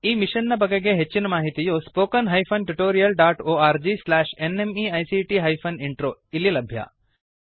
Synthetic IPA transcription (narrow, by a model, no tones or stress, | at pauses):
imiʃənːap̬əɡeɡeɦet͡ʃinəmaːɦit̪ijospoːkənɦajpʰonʈuʈoːɾijəlɖaːʈoːaːɾd͡ʒislɛʃenemiajsiʈiɦajfʰoniɳʈɾoililɐbʱja̰